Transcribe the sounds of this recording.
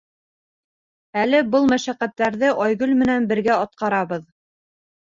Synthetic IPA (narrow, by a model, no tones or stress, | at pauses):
ælɘbɤlˠmæʃæqːæt̪ːæɾðɘʔɒjɡɵlmɘ̆nænbɘ̆ɾɡæɑt̪̚qɑɾɑβɤð